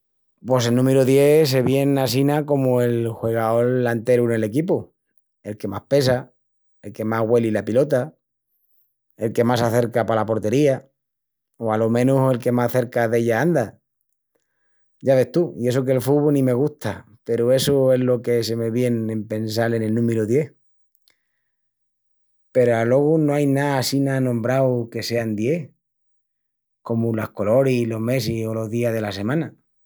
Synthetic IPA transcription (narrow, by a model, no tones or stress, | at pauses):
pwo̞selnũme̞ɾuðje̞s̬e̞βje̞nasinako̞moe̞lxwe̞ɣ̞ao̞lːant̪e̞ɾune̞le̞kipo | e̞lke̞mahpe̞sa | e̞lke̞maɦɣwe̞lilapilo̞t̪a | e̞lke̞masaθe̞ɾkapalapo̞ɾt̪e̞ɾia | oalo̞mẽ̞nuse̞lke̞masθe̞ɾkaðe̞ʎaand̪a | ɟ͡ʝaβe̞ht̪uie̞s̬ok̬e̞lfuβonĩme̞ɣ̞uht̪a | pe̞ɾue̞sue̞ɦlo̞kese̞me̞βje̞nẽ̞mpe̞ns̬ale̞ne̞lnũmeɾuðje̞h | pe̞ɾoalo̞ɣ̞unoajnaːsinanõ̞mbɾawke̞se̞and̪je̞h | ko̞mulahko̞lo̞ɾilo̞ɦme̞sio̞lo̞ðiaðe̞lase̞mãna